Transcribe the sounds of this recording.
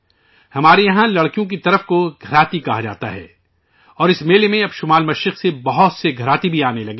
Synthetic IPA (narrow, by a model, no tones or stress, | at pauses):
hɐmaːɾejɐɦãlɐɽkijõk̬it̪ɐɾəfkoɡʱɐɾaːt̪ikɐɦad͡ʒa̰ːt̪a̰ɦɛ̰ː | ɔːɾɪsmeːlemẽɐbʃʊmaːlmɐʃɾɪqsebɐɦʊt̪seɡʱɐɾaːt̪ibʱiaːnelɐɡeː